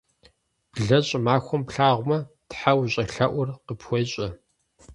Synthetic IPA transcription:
b̥ɮɐɕʼmaːxʷɔmpɬaːʁʷmɐ | tħawɕʼɐɬɐʔʷʊrqəpxʷɔɕʼɐ

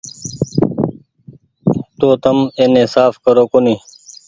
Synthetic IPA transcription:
t̪oːt̪əmenesaːfkəɾoːkoniː

